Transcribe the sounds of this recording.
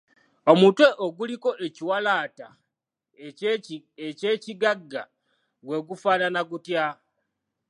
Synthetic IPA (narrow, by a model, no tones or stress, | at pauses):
o̞muːntwe̞ʔoɡuliko̞ʔeciwalaːta̰ | ece̞ːciɡaɡːa | ɡwe̞ːɡufaːnanaɡutja